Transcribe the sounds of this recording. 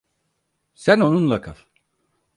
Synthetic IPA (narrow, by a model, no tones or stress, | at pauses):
sæno̞nunlˠakʰa̰f